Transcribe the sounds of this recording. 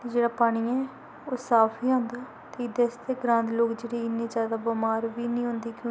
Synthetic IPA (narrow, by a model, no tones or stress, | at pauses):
t̪ed͡ʒeːɽaːpaːɽ̃iːɛ̃ː | oːsaːpʰiːãːnd̪aː | t̪eːɪd̪eːst̪eːɡɾãːnd̪loːkd͡ʒeːɽiːɪnːẽːd͡ʒjaːd̪aːbəmaːɾʋiːnĩːɦʊ̃nd̪iːkjõː